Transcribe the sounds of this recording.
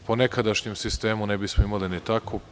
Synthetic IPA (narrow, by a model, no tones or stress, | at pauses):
ponekad̪aʃɲemsist̪e̞ːmunebismoimalinit̪akʰo